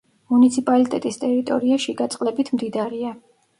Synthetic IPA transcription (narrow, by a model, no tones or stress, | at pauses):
munit̪sʰipʼalit̪ʼɛt̪ʼist̪ʼɛɾit̪ʼɔ̰ɾiaʃiɡat̪sʼqʼlɛbit̪ʰmd̪id̪aɾia